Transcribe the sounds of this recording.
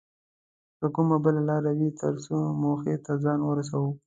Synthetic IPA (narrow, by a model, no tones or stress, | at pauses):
kəkʊmabəlalɑɾawit̪əɾsomoxet̪azɑnwəɾas̬awu